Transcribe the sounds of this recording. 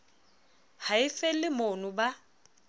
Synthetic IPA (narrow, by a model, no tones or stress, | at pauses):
haɪfɛlɪmonʊba